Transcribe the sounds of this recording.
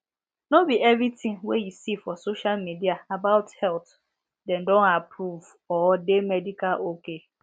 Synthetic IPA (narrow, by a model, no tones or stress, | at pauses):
nobiɛvɾitĩŋwejisifɔsoʃalmidiaabaʊthɛlθ | dɛ̃ndɔ̃napɾuv | ɔdemɛdikalʔoke